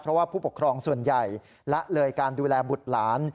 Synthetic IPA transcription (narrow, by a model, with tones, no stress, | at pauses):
pʰɾɔ˦waː˥˩pʰuː˥˩pu˨˩kʰɾɔː˧ŋsu˨˩ənja˨˩j | lɛ˦˥ʔlɤː˧jkaː˧nduː˧lɛː˧bu˨˩t̪̚laː˩˦n